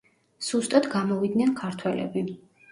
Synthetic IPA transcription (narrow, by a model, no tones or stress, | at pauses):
z̥ust̪ʼad̪ɡamɔvid̪nɛnkʰaɾt̪ʰwɛlɛ̰bi